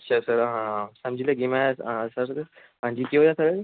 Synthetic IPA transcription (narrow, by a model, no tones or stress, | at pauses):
ɐtːʃʰasɐɾɦãsɐ̃md͡ʒʱileɡimɛ̃sɐɾ | ɦãːd͡ʒikiɦojasɐɾ